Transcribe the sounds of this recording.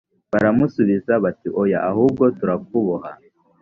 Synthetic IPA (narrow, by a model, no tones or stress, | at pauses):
βaɾamusuβizaβatiʔojaʔahuːb̚ɡo̞tuɾak̚uβuha